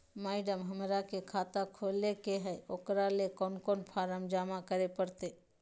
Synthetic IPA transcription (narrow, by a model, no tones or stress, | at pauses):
maːɪɖəmɦəmɾakekʰaːt̪akʰoːlekeɦɛoːkɾalekɔːnkoːnpʰaːɾəmd͡ʒaːmakəɾepəɾt̪eː